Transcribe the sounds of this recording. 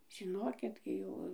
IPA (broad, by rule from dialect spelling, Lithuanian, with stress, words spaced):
ʒʲɪˈnoːkʲɪk ˈɡʲɪ joː